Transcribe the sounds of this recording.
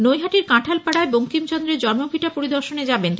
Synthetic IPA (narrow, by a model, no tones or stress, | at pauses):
nojɦaʈiɾkãʈʰalpaɽaeboŋkimt͡ɕɔnd̪ɾeɾd͡ʑɔɾmobʱiʈapoɾid̪oɾʃoned͡ʑaben